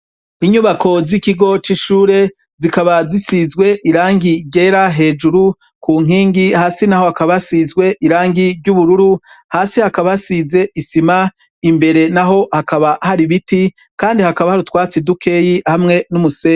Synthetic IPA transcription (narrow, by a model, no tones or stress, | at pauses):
iɲuβakʰo̞zikiɡo̞t͡ʃiʃuːɾe̞ | zikaβazisizɡwe̞ʔiɾaːŋɡiɾɟeːɾaɦe̞ːd͡ʒuɾu | kʰuːŋ̥iːŋɡihaːsinaho̞hakaβasizɡwe̞ʔiɾaːŋɡiɾɟuβuɾuɾu | haːsihakaβasize̞isima | imbe̞ɾe̞naɦo̞hakaβahaɾiβiti | kaːndihakaβahaɾutwaːt͡sidukʰe̞ːjihamŋe̞numuseː